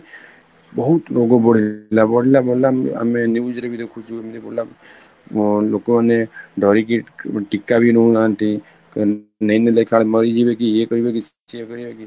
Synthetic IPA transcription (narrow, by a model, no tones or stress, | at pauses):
bɔɦut̪lokobɔɽ̤ilabɔɽ̤ilabɔlama̰menjuːd͡ʒɾebʱid̪ekʰut͡ʃʰuamid̪eboɽla | lokomaneɖʱɔɾik̬iʈikːabʱinɔɦũnant̪i | nejnelejkʰaɭmɔɾid͡ʒibekiekɔɾibekis | iekɔɾibeki